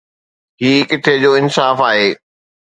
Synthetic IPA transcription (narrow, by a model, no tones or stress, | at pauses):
ɦiːkɪʈʰed͡ʑoːɪnsaːfaːɦeː